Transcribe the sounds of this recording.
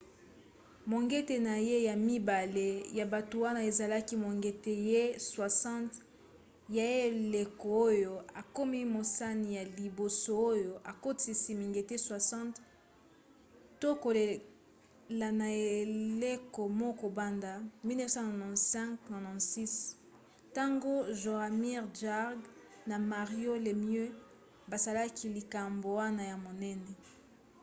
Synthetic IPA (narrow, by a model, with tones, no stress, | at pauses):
mo˨ŋɡe˦te˨na˨je˦ja˨mi˦ba˨le˨ja˨ba˨to˨wa˦na˦e˨za˨la˦ki˦mo˨ŋɡe˨te˦˨je˦swa˨sɑ̃˦nt | ja˨e˦le˨ko˨o˦jo˨a˨ko˦mi˦mo˨sa˦ni˨ja˨li˨bo˨so˦o˦jo˨ʔa˨ko˦ti˨si˦mi˨ŋɡe˨te˦swa˨sɑ̃˦t | to˦ko˨le˨ | la˨na˨e˨le˦ko˨mɔ˦ko˨ba˦nda˨mi˦nɛ˦sã˦nɔ˨nɔ̃˨nsɛ̃˦ŋkna˨nɔ̃˨si˦s | ta˦ŋɡo˦ʒo˨a˨mi˦ʁʒa˦ʁɡ | na˨ma˨ʁjo˦le˨mjø˦ | ba˨za˨la˦kʰi˦li˨ka˨mbo˨wa˦na˦˨ja˨mo˨nɛ˦nɛ˨